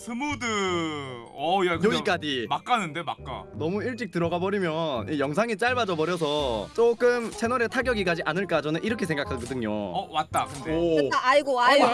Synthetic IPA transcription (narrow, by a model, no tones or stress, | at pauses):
sʰɯmodɯ | ʌjakɯjoɡik͈ad͡ʑimak͈anɯnde̞mak͈a̰nʌmuiɭt͡ɕ͈ik̚tɯɾʌɡabʌɾimjʌnijʌŋs̬ʰaŋit͡ɕ͈aɭbad͡ʑʌbʌɾjʌs̬ʰʌt͡ɕ͈ok͈ɯmt͡ɕʰenʌɾe̞tʰaɡjʌɡik͈ad͡ʑiʔanɯɭk͈ad͡ʑʌnɯniɾʌkʰe̞sʰeŋɡakʰanɡɯdɯŋɲo̰ʌwat̚t͈akɯndeaaɭɡoao